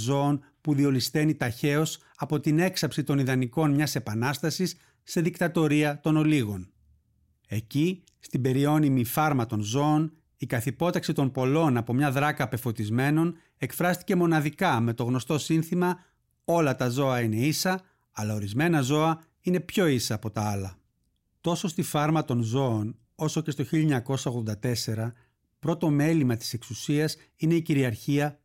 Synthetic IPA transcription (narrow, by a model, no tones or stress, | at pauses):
zo̞on | puðio̞list̪e̞nit̪ɐçe̞o̞s | ɐpo̞t̪ine̞ksɐpsit̪o̞niðɐniko̞nmɲɐse̞pɐnɐst̪ɐsisː | e̞ðikt̪ɐt̪o̞ɾiɐt̪o̞no̞liɣo̞n | e̞ci | st̪ibe̞ɾio̞nimifɐɾmɐt̪o̞nzo̞ːn | ikɐθipo̞t̪ɐksit̪o̞mpo̞lo̞nɐpo̞mɲɐðɾɐkɐpe̞fo̞t̪izme̞no̞n | e̞kfɾɐst̪i̥ce̞mo̞nɐðikɐme̞t̪o̞ɣno̞st̪o̞sinθimɐ | o̞lɐt̪ɐzo̞ɐine̞isɐ | ɐlɐo̞ɾizme̞nɐzo̞ɐ | ine̞pço̞isɐːpo̞t̪ɐɐlɐ | t̪o̞so̞st̪ifɐɾmɐt̪o̞nzo̞ːn | o̞so̞ce̞st̪oçiʎɐɲɐko̞sɐo̞ɣðod̪ɐt̪e̞se̞ɾɐ | pɾo̞t̪o̞me̞limɐt̪i̥se̞ksusiɐs | ine̞iciɾiɐɾçiɐ